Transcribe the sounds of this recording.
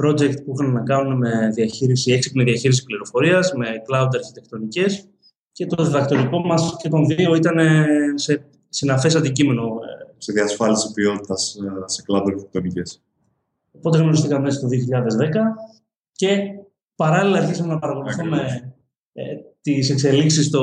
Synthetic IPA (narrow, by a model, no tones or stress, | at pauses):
pɾo̞d͡ʒe̞kt̪̚puixɐnenɐkɐnuneme̞ðiɐçiɾisieksipmeðiɐçiɾisi̥pliɾo̞fo̞ɾiɐzme̞klɐud̪ɐɾçit̪e̞kt̪o̞nice̞s | ce̞t̪o̞ðiðɐkt̪o̞ɾiko̞mɐsce̞t̪o̞nðio̞it̪ɐne̞se̞ | sinɐfe̞s̬ɐnd̪icime̞no̞seðiɐsfɐlisi̥pio̞t̪it̪ɐsseklɐd̪ɐɾt̪ek̚t̪o̞nices | o̞po̞t̪̬eɣno̞ɾist̪ikɐmmest̪o̞ðioçiʎɐðe̞zðe̞kɐ | ce̞ | pɐɾɐlilɐɐɾçisɐmenɐpɐɾɐko̞luθume | t̪ise̞kse̞liksist̪o